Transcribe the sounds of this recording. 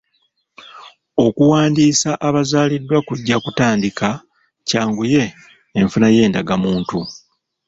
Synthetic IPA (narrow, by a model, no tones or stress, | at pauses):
o̞kuwaːndiːsaʔaβazaːlidːwakuɟːakutaːndikʰa | caːŋɡuje̞ː | ɱfunaje̞ːndaɡamuːntu